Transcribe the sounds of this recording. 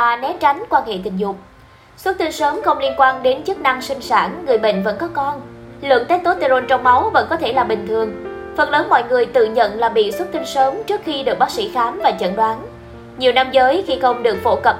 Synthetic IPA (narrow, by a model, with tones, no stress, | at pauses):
ʔaː˨˩nɛ˦˥p̚t͡ɕa˨˦jŋ̟kwaː˧nhḛ˧˨t̪ï˨˩ŋ̟zʊ˨˩k͡p̚ | swə˦˥t̚t̪ɨ˧ŋsəː˨˦mxə˧wŋ͡mli˧nkwaː˧nɗe˨˦nt͡ɕɨ˦˥k̚na˧ŋsï˧ŋ̟saː˧˩nːɨ˨˩əjɓḭ̈˧˨ŋ̟və̰˧˥nkɔ˨˦kɔ˧nlɨ̰˧˨əŋt̪eː˦˥k̚t̪o˨˦˥t̪e˧zo˧nt͡ɕɔ˧wŋ͡mma˨˦wvə̰˧˥nkɔ˨˦t̪ʰe˧˩laː˨˩ɓï˨˩ŋ̟t̪ʰɨ˨˩əŋfə˨˩n̚ləː˨˦nmɔ̰˧˨jŋɨ˨˩əjt̪ɨ̰˧˨ɲə̰˧˨nlaː˨˩ɓḭ˧˨swt̚t̪i˧ŋ̟səː˨˦mt͡ɕɨ˦˥ək̚xi˧ɗɨ˨˩ək̚ɓaː˦˥ksḭ˧˥˩xaː˨˦mvaː˨˩t͡ɕə̰˧˨nɗwaː˨˦n | ɲi˨˩əwna˧mzəː˨˦jxi˧xə˧wŋ͡mɗɨ˨˩ək̚fo̰˧˩kə˨˩p̚